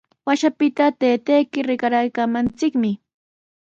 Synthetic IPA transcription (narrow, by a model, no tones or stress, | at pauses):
waʃapɪt̪at̪eːt̪ejkɪɾɪkaɾajkamant͡sɪkmɪ